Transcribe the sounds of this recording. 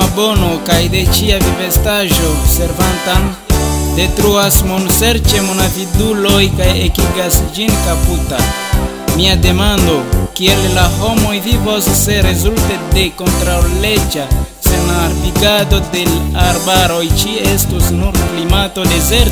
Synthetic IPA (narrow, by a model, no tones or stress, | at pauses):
abo̞no̞kajde̞t͡ʃiavive̞staʒo̞se̞ɾvantan | de̞tɾuasmonse̞ɾt͡ʃe̞monavidulo̞jkajekiɡasd͡ʒinkaputa̰ | miade̞mando̞kie̞lːaɦo̞mo̞jvivo̞sːe̞ɾe̞zulte̞de̞ko̞ntɾawle̞d͡ʒa | senaɾviɡado̞de̞laɾbaɾo̞jt͡ʃiestusnuɾklimato̞de̞zeɾt